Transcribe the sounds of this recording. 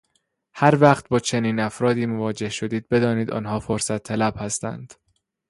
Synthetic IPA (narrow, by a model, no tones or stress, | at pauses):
hæɾvæːχt̪̚bɒːt͡ʃʰe̞niːnæfɾɒːd̪iːmovɒːd͡ʒe̞hʃo̞d̪iːd̪̚be̞d̪ɒːniːd̪ɒ̰ːnhɒːfoɾsæt̪ʰːælæb̥hæst̪æ̰nd̪̥